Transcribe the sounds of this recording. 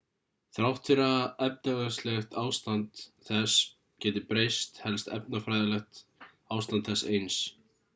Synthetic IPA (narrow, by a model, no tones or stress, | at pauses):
θɾawft̪ʰfɪɾaɛp̚naɣaslɛxt̪aːwst̪ant̪ | θɛs | cɛːt̪ɪpɾejst̪hɛlst̪ɛ̰p̚nafɾajðalɛxt̪ | aːwst̪ant̪θɛsːejns